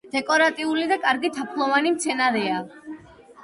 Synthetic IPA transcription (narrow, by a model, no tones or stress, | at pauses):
d̪̥ɛkʼɔɾat̪ʼiulid̪akʼaɾɡit̪ʰapʰlˠɔvanimt̪sʰɛnaɾɛa